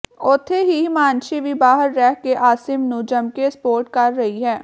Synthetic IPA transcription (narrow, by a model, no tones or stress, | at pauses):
ʊt̪ʰːeɦimaːnʃibʱibaːɦəɾːɛɦkeʔaːsɪmnud͡ʒəmkespoːɾʈ̚kɐɾːɐɦiɦɛː